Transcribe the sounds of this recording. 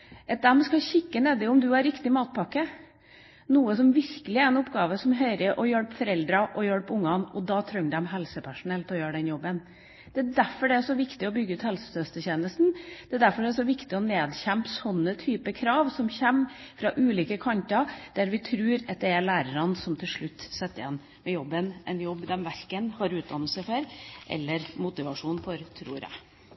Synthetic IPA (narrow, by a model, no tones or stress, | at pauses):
ʔɑt̪̚d̪ɛmskɑɕɪkːəneːd̪ɪʊmd̪ʉæɾɪkt̪ɪmɑːt̪̚pʰɑkːə | nuːəsɔmʋɪɾkəlɪæɾɛnʊpːɡɑːʋəsɔmɦœʏɾəʔɔjœɽpfɔɾɛld̪ɾɑʔɔjœɽpʊŋːɑnɔd̪ɑːt̪ʰɾœŋd̪ɛmɦɛlsəpʰæʂʊnɛlt̪ɔjøːɖɛnjɔbːən | d̪̥ɛæd̪æɾfɔɖɛæʂɔʋɪkt̪ɪɔbʏɡəʉːt̪hɛlsə̥sœst̪əçeːnəst̪n̩d̪̥ɛd̪æɾfɔɖɛæsɔʋɪkt̪ɪɔneːd̪çæmpsɔnːət̪ʰyːpəkʰɾɑːʋsɔmçɛmfɾɑʔʉːliːkəkʰɑnt̪ɑd̪̥æɾʋɪt̪ʰɾʉːɾɑt̪̚d̪ɛæɭæːɾəɾɑnsɔmt̪ʰɪlʂɭʉt̪ːsɛt̪ːəjɛn | mɛjɔbːənʔɛ̰njɔbːd̪ɛmʋæɾkənhɑɾʉːt̪̚d̪ɑnːəlsəfɔɾʔɛ̰lːəɾmʊt̪ɪʋɑʂuːnfɔɾt̪ʰɾṵːɾæ̰